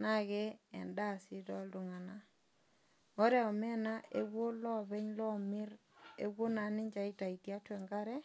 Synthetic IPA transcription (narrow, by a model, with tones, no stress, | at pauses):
na˦ɣɛ˦ɛ̰˨nda˦˨sɪ˦tɔ˦ldʊ˨ŋa˨na˦ | ɔ˦ɾɛ˨ɔ˨mɛ˦na˦ʔe˦wwo˦lɔ˦βɛ˦ɲlɔ˦mɪ˦ɾ | ḛ˨˦wo˦na˨˦nɪ˦ɲd͡ʒa˨i˦ta˨i˨tja˦twɛ˨ŋɡa˦ɾɛ˦